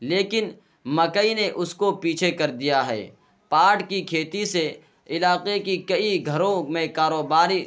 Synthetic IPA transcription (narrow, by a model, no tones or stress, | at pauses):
leːkɪn | mɐkəineʔʊskopiːt͡ʃʰekɐɾd̪ijaɦɛ̰ː | paːʈkikʰeːt̪ise | ɪlaːqekikɐiɡʱɐɾõmẽkaːɾoːbaːɾi